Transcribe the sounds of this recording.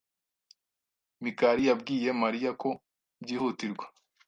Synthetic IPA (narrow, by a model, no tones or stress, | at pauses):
mikaɾijab̚ɡiːje̞maɾijako̞ | bɟiːhutiɾɡwḁ